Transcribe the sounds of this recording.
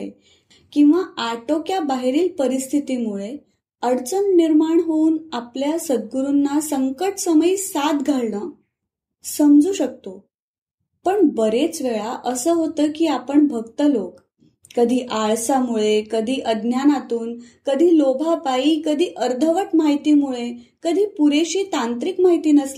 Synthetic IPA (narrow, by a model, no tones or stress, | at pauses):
ḛ | kĩw̃ʋaaʈokjabaɦeɾiːlpəɾist̪ʰit̪imuɭe | əɽt͡sənːiɾmaɳɦouːnapljasəd̪̚ɡuɾunːasəŋkəʈsəməiːsat̪ɡʱaɭɳə | səmd͡zuːɕək̚t̪o | pəɳbəɾet͡sʋeɭaʔəsəːɦot̪əːkiːapəɳbʱəɡt̪əlok | kəd̪ʱiːʔaɭsamuɭekəd̪ʱiːʔəd̪njanat̪uːnkəd̪ʱiːlobʱapaiːkəd̪ʱiːʔəɾd̪ʱəʋəʈmaɦit̪iːmuɭe | kəd̪ʱiːpuɾeɕiːt̪ãnt̪ɾikmaɦit̪iːnəsla